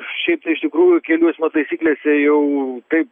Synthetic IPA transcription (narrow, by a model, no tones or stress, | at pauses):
ʃʲɛɪp̚t̪ɐɪɪʃt̪ʲɪkɾuːjʊkʲɛlʲuɔsʲmʲɐt̪ɐɪsʲiːklʲeːsʲɛjɛʊt̪ɐɪp